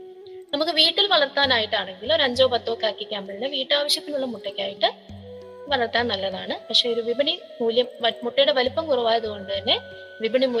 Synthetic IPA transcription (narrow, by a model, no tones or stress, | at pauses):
nɐmukːɨʋiːʈːilʋɐɭɐrt̪ːaːnaːjiʈːaːɳe̞ŋɡilo̞ɾuɐɲd͡ʑo̞ːpɐt̪ːoːkːaːkːikʲːaːmbɐɭneʋiːʈːaːʋɐɕjɐt̪ːinuɭːɐmuʈːɐkʲːaːjiʈːɨ | ʋɐɭɐrt̪aːnnɐlːɐðaːɳɨpɐkʂe̞ːoɾuʋibɐɳi | muːljɐmɐmuʈːɐjuɽe̞ʋɐlupːɐmkurɐʋaːjɐðuko̞ɳɖɨt̪ɐnːe̞ | ʋibɐɳimu